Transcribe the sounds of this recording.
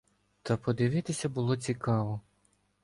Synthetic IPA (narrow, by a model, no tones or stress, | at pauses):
t̪ɐpɔd̪ɪʋɪt̪ɪsʲɐbʊlˠɔt͡sʲikɑʋɔ